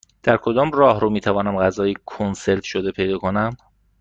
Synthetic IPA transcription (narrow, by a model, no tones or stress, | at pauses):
d̪̥æɾkʰo̞d̪ɒːmrɒːɦɾomiːt̪ʰævɒːnæmɢæzɒːjikʰonse̞ɾt̪ʰʃod̪e̞pʰe̞jd̪ɒːkʰo̞næm